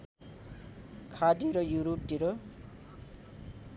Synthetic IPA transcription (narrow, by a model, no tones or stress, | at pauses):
kʰadiɾojuɾutiɾo